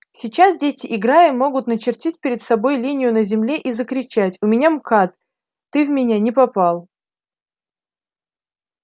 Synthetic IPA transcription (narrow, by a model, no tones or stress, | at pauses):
sʲɪt͡ɕasdʲetʲɪʔɪɡɾajɪmːo̞ɡʊt̪nət͡ɕɪrtʲitʲpʲɪɾʲɪt̪sɐbo̞jlʲinʲɪjʊnəzʲɪmlʲeʔizəkɾʲɪt͡ɕætʲʊmʲɪnʲamkat̪ː | ɨvmʲɪnʲanʲɪpɐpalˠ